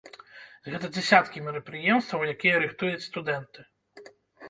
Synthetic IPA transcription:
zɣɛt̪ɐd͡zʲɛsʲat̪kʲimʲɛɾɐpɾɨjɛmst̪vɐwjakʲijɛɾɨxt̪ujut͡sʲst̪ud̪ɛnt̪ɨɪ

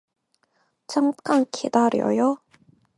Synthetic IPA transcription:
t͡ɕʰamk͈ankʰḛd̪aɾjo̰jo

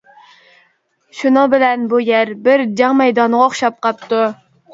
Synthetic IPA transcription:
ʃunɨŋbɪlɛnbujæɾbɪɾd͡ʒɑŋmɛjd̪ɑnʁɑoχʃɑp̚qɑp̚t̪u

